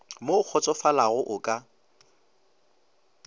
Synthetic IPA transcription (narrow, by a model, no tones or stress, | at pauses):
mok͡xʰɔt͡sʼɔfalaɣʊʔʊkʼa